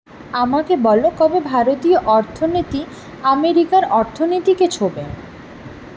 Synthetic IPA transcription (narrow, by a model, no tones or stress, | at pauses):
amakebɔlok̪ɔbebʱaɾot̪ioʔɔɾt̪ʰonot̪i | ameɾikaɾɔɾt̪ʰonit̪iket͡ɕʰobe